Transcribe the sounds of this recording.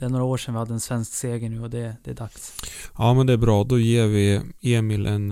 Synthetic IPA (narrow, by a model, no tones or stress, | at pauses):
d̪̥ɛæɾɳoːɾaoːʂɛnʋɪhad̪ːəɛnsvɛnskseːɡənʉ̟ːɔd̪ɛd̪̥ɛæd̪aksjɑːmɛnd̪ɛæɾbɾɑːd̪ɔjeːɾvɪeːmɪlʔɛn